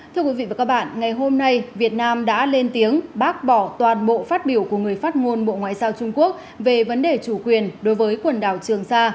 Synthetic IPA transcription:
t̪ʰɨ˧kwi˨˦vḭ˧˨va˨˩kaː˦˥k̚ɓa̰ː˧˨nŋa˨˩jɦo˧mna˧jvi˨˩ət̚naː˧mɗa̰ː˧˥le˧nt̪i˨˦əŋɓaː˦˥k̚ɓɔ˧˩t̪waː˨˩nɓo̰˧˨faː˦˥t̚ɓi˧˩əwku˧˩əŋɨ˨˩əjfaː˦˥t̚ŋo˧nɓo̰˧˨ŋwa̰ː˧˨jzaː˧wt͡ɕʊ˧ŋ͡mku˦˥ək̚ | ve˨˩və˨˦nɗe˨˩t͡ɕu˧˩kwi˨˩ənɗo˨˦jvəː˨˦jkwə˨˩nɗa̰ː˧˩wt͡ɕɨ˨˩əŋsaː˧

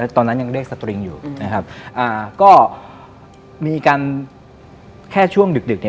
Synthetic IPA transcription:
t̪ɔː˧nːa˦˥nja˧ŋɾi˥˩ək̚sa˧t̪ɾi˧ŋjuː˨˩na˦˥kʰa˦˥p̚ʔaː˨˩kɔː˥˩ | miː˧kaː˧n | kʰɛː˥˩t͡ɕʰu˥˩əŋdɯ˨˩k̚dɯ˨˩k̚ni˥

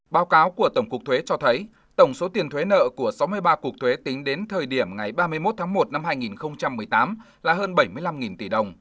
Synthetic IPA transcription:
ɓaː˨˦wkaː˨˦wku˧˩ət̪ə˧˩wŋ͡mku˨˩ək̚t̪ʰwe˨˦t͡ɕɔ˧t̪ʰə˨˦j | t̪ə˧˩wŋ͡mso˨˦t̪i˨˩ənt̪ʰwe˨˦nə̰ː˧˨ku˧˩əsa˨˦wmɨ˧əjɓaː˧ku˨˩ək̚t̪ʰwe˨˦t̪ï˨˦ŋ̟ɗe˨˦nt̪ʰəː˨˩jɗi˧˩əmŋa˨˩jɓaː˧mɨ˧əjmo˦˥t̚t̪ʰaː˨˦ŋmo˨˩t̚na˧mhaː˧jŋi˨˩nxə˧wŋ͡mt͡ɕa˧mːɨ˨˩əjt̪aː˨˦m | laː˨˩həː˧nɓə˧˩jmɨ˧əjla˧mŋi˨˩nt̪i˧˩ɗə˨˩wŋ͡m

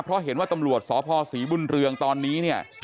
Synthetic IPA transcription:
pʰɾɔ˦˥ɦe˩˦nwaː˥˩t̪a˧mɾu˨˩ət̪̚sɔː˩˦pʰɔː˧siː˩˦bu˧nɾɯ˧əŋt̪ɔː˧nːiː˦˥ni˥˩ə

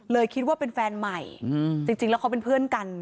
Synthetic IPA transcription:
lɤː˧jkʰi˦˥t̪̚waː˥˩pe˧nfɛː˧nma˨˩jt͡ɕi˧ŋt͡ɕi˧ŋlɛː˦˥wkʰa˦˥wpe˧npʰɯ˥˩ənka˧n

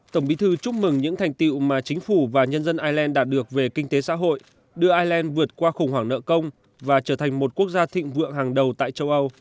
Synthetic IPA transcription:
t̪ə˧˩wŋ͡mɓi˨˦t̪ʰɨ˧t͡ɕʊ˦˥p̚mɨ˨˩ŋɲɨ̰˧˥ŋt̪ʰa˨˩jŋ̟t̪ḭ˧˨wmaː˨˩t͡ɕï˨˦ŋ̟fu˧˩vaː˨˩ɲə˧nzə˧nʔaː˧jlɛ˧nɗaː˧˩t̚ɗɨ˨˩ək̚ve˨˩kï˧ŋ̟t̪e˨˦sa̰ː˧˥ɦo̰˧˨j | ɗɨ˧əʔaː˧jlɛ˧nvɨ˨˩ət̚kwaː˧xʊ˨˩ŋ͡mɦwaː˧˩ŋnə̰ː˧˨kə˧wŋ͡m | vaː˨˩t͡ɕəː˧˩t̪ʰa˨˩ŋ̟mo˨˩t̚ku˦˥ək̚zaː˧t̪ʰḭ˧˨ŋ̟vɨ̰˧˨əŋhaː˨˩ŋɗə˨˩wt̪a̰ː˧˨jt͡ɕə˧wʔə˧w

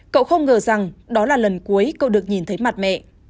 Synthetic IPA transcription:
ko̰˧˨wxə˧wŋ͡mŋəː˨˩za˨˩ŋɗɔ˨˦laː˨˩lə˨˩nku˨˦əjko̰˧˨wɗɨ˨˩ək̚ɲi˨˩nt̪ʰə˨˦jma˨˩t̚mɛ̰˧˨ʔ

